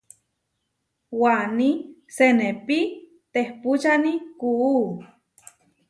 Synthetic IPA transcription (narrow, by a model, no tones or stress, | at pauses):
wanisenepi | t̪ehput͡ʃanikuː